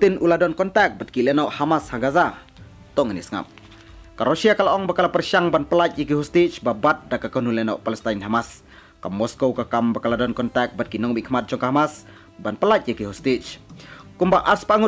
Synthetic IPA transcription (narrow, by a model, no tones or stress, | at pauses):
t̪inuladɔnkɔnt̪ɛk̚bat̪̚kilɛnɔʔhamashaŋɡaza | t̪ɔŋənisəŋa̰p̚ | kaɾɔʃiakalaʔɔŋbakalapərʃaŋbanpəlat͡ʃ̚jakiɦɔst̪it͡ʃbabat̪̚dakakənulɛnɔʔpalɛst̪ajnɦamas | kamːɔskowkakambakaladɔnkɔnt̪ak̚bat̪̚kinɔŋmikmat̪̚t͡ʃɔŋkaɦamas | banpəlacjakiɦɔst̪it͡ʃkumbaʔaspaŋu